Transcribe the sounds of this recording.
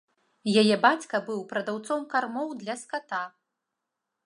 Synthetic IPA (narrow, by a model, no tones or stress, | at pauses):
jajɛbat͡sʲkɐbɨwpɾɐd̪awt̪sɔmkarmɔwd̪lʲɐskat̪a